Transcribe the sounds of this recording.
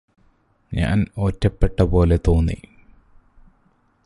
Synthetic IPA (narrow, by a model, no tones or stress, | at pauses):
ɲa̰ːno̞ːtːɐpːe̞ʈːɐpo̞ːle̞t̪o̞ːnːḭ